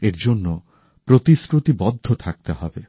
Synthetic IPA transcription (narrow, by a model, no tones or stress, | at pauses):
eɾd͡ʒonːo | pɾot̪iskɾot̪ibɔd̪ʱːot̪ʰak̚t̪eɦɔbe